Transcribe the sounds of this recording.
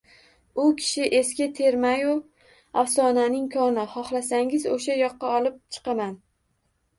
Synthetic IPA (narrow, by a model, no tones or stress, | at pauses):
ʊkʲʰɪ̥ʃɪʔeskʲat̪ʰe̞ɾmajʊ | afsɒnanɪŋkʰɒnɪχɒχlˠasaŋɪzoʃajɒqːɑɒlˠɪp̚t͡ʃʰɨ̥qɑman